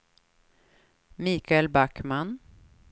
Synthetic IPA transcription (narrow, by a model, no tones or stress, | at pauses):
miːkʰaɛlbakman